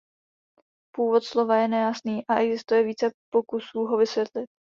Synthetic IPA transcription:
puːvot̪slo̞vajɛnɛjasniːʔaʔɛɡzɪst̪ujɛviːt͡sɛpokusuːɦo̞vɪsvjɛt̪lɪt̪̚

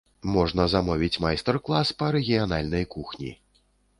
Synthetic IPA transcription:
mɔʐnɐzamɔvʲit͡sʲmajst̪ɛrklˠaspɐɾɛɣʲijanalʲnɐjkuxnʲḭ

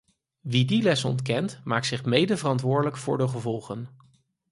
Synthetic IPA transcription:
ʋidilɛsɔ̰ntkɛntmaːktsɪχmejdəvərɑntʋʊːɹdələkfʊ̰ːɹdəχəvɔlˠχən

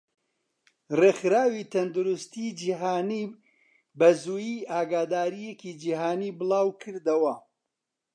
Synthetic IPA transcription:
rexɾaːwit̪ʰɐnd̪uɾʊst̪id͡ʒiɦaːniː | bɐzuːjiːʔaːɡaːd̪aːɾijekid͡ʒiɦaːniːbɨlaːwkʰɨɾd̪ɐwɐ

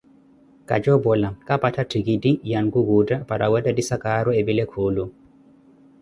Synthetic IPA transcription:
ka̰d͡ʒɔbɔlakapatatiɡidijanɡuɡudapaɾʔawadadisakaɾɔebilɛkʰoːlu

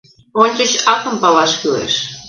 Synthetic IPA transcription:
onʲt͡ɕə̆t͡ɕɑkə̆mpɑlɑʃkylḛʃ

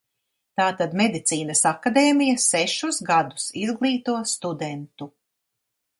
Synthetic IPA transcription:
t̪aːt̪ad̪med̪it̪siːnɐsakad̪eːmijɐsɛʃusɡad̪u̥sizɡlˠiːt̪uɔst̪ud̪ɛnt̪u

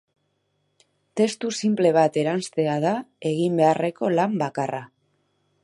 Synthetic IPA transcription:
t̪e̞st̪usimple̞β̞at̪e̞ɾanst̪e̞að̞ae̞ɣimbe̞are̞ko̞lambakara

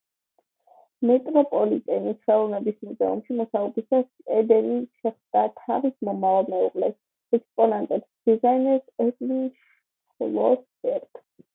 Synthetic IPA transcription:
mɛt̪ʼɾɔpʼɔlit̪ʼɛnisʰχɛlˠunɛbismuzɛṵmʃimɔsaubisas | ɛd̪ɛniʃɛχmd̪̥at̪ʰavismɔmavalˠmɛuʁʼlɛs | ɛkspʼɔnant̪ʼɛpsd̪̥izainɛɾsɛkʼliŋʃ | lɔ̰s | ɛɾt̪

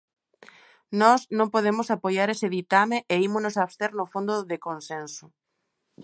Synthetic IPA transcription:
nɔsnõmpoðemʊsapojaɾesɪðit̪ameʔeimʊonosaβst̪eɾnʊfond̪ʊðekonsensʊ

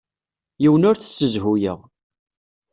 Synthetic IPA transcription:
jiwənʊɾθsːəzɦujəʁ

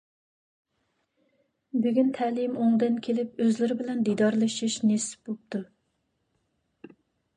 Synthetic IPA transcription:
byɡʲynt̪ʰɛlɪmoŋd̪ɨnkʲʰelɪpøzlɪɾɪbɪlɛnd̪id̪ɑɾlˠɨʃiʃnesɪ̥p̚bop̚t̪ʰu

